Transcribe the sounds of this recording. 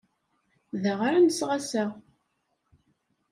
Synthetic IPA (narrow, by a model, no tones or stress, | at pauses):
ðəʁaɾanəsʁasæ